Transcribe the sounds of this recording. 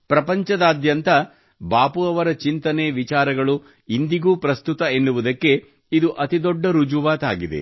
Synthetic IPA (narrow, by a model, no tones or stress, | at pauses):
pɾɐpɐɲt͡ʃɐd̪aːd̪jɐnt̪ɐ | baːpuɐʋɐɾɐt͡ʃint̪ɐneːʋit͡ʃaːɾɐɡɐɭu | ind̪iɡuːpɾɐst̪ut̪ɐenːuʋud̪ɐkːe̞ | id̪uʔɐt̪id̪ɔɖːɐɾud͡ʒuʋaːt̪aːɡid̪e̞̰